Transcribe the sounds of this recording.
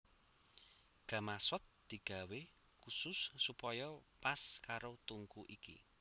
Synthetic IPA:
ɡ̥ä̤masɔt̪̚d̪̥i̤ɡ̥a̤we | kusʊsːupɔjɔpaskaɾot̪uŋkuʔikḭ

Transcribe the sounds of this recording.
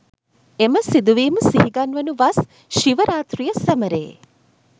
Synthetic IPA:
emɐsid̪uʋiːmusiɦiɡɐnʋɐnuʋas | ʃiʋɐɾaːt̪ɾijɐsɐmɐɾḛː

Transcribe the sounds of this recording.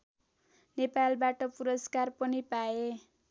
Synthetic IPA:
nepalbaʈʌpuɾʌskarpʌnipae

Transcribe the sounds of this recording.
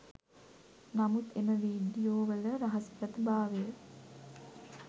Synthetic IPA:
namut̪eməʋiːɖijoːʋələɾaɦɐspɾət̪ibaːʋejə

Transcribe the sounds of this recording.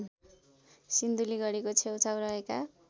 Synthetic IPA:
sind̪uliɡʌɽekot͡sʰewt͡sawɾʌɦeka

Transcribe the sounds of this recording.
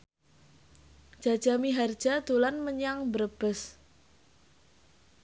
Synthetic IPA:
ʒ̥a̤d̥ʒ̥amiɦar̥d͡ʒ̥a̤d̪̥olanməɲaŋbəɾəb̥əs

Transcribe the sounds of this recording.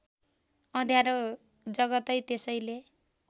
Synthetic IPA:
ʌd̪ʱjaɾo | d͡zʌɡʌt̪ʌjt̪esʌjle

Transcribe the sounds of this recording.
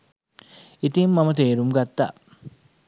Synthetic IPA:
it̪imːɐmɐt̪eːɾumɡɐt̪ːa̰

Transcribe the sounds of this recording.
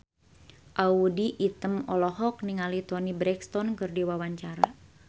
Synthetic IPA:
ʔaudiʔit̪əmɔlɔɦɔk̚niŋalit̪ɔnibɾɛkst̪ɔnkɨrdiwawaɲt͡ʃaɾa

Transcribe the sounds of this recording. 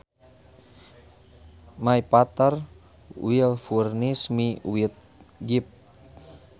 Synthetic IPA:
maipat̪ar | wilfurnismiuwit̪̚ | ɡip̚

